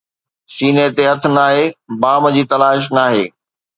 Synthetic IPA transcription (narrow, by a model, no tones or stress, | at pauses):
siːnet̪eɦɐt̪̆ʰnaːɦebaːmd͡ʑiːt̪ɐlaːʃ̬naːɦeː